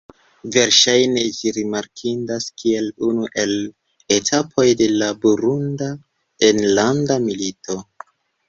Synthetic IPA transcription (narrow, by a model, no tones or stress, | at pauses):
ve̞ɾʃajne̞d͡ʒiɾimaɾkʰindaskʰie̞lunuʔe̞l | e̞tʰapʰo̞jde̞labuɾunda | enlandamilito̞